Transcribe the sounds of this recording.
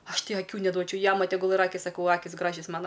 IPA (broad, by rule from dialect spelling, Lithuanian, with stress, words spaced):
ˈɐʃ ˈtɐɪ ɐˈkʲuː nʲɛˈduɔt͡ʃʲɛʊ ˈjæːmɐ tʲɛˈɡʊlˠ ɪr ˈɑːkʲɪs sɐˈkɐʊ ˈɑːkʲɪs ˈɡrɑːʒʲɛs ˈmɑːnɐ